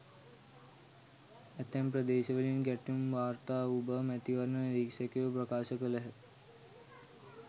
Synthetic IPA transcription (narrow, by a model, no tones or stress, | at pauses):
æt̪ːɛmpɾəd̪eːʃəʋəlinɡæʈjumʋaːɾt̪aːubəmɛt̪iʋɐɾnəɾiːkʂekeʋəp̬ɾɐkaːʃəkələɦə